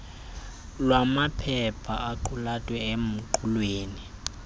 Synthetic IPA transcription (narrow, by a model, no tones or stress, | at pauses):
lwamapʰɛpʰaaǃʰulatʼwɛem̩ǃʰulweːni